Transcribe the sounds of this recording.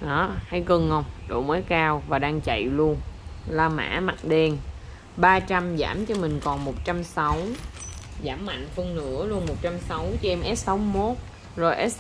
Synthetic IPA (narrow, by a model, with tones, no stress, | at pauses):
ɗɔ˨˦ha˧˩jkə˧nhə˧wŋ͡mɗo̰˧˨˩məː˨˦jkaː˧wvaː˨˩ɗaː˧ŋt͡ɕə̰˧˨jlu˧ənlaː˧ma̰ː˧˥ma̰˨˩t̚ɗe˧n | ɓaː˧t͡ɕa˧mza̰ː˧˩mt͡ɕɔ˧mï˨˩ŋ̟kɔ˨˩nmo˨˩t̚t͡ɕa˧msa˨˦w | zaː˧˩mːa̰˧˨jŋ̟fɨ˧əŋnɨ̰˧˥əlu˧ənmo˨˩t̚t͡ɕa˧msa˨˦wt͡ɕɔ˧ʔɛ˧mʔɛ˦˥t̚sa˨˦wmo˦˥t̚ | zo˨˩jʔɛ˦˥t̚